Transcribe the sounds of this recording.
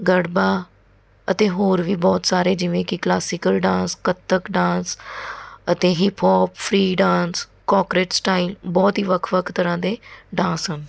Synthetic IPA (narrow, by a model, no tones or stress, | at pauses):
ɡəɽbaː | ət̪eːɦoːɾʋiːbɔːt̪saːɾeːd͡ʒɪʋẽːkɪklaːsɪkəlɖãːskət̪ːəkɖãːns | ət̪eːɦɪːpʰɔːppʰɾiːɖãːns | kɔːkɾeːʈsʈaːilbɔːt̪ɦiːʋəkʰʋəkʰt̪əɾãːd̪eːɖãːsɦən